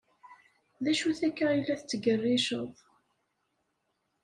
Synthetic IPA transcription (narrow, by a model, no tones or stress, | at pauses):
ðæʃuθækːailːæθət͡sːəɡərːɪʃəðˤ